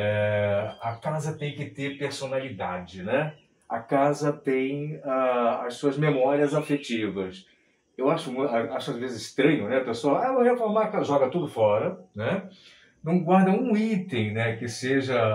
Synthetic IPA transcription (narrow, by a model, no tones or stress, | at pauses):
ɛɐkazɐt̪ẽj̃kɪt̪eɾpeɾsonalid̪ad͡ʒɪnɛ | ɐkazɐt̪ẽj̃aɐssuɐzmemɔɾiɐzafet͡ʃivɐs | ewaʃʊmũaaʃʊazvezɪzɪʃt̪ɾɐ̃ɲʊnɛɐpesoɐavohefloɾmakaʒɔɡɐt̪ud̪ʊfɔɾɐnɛ | nɐ̃w̃ɡwaɾd̪ɐũit̪ẽj̃nɛkɪseʒɐ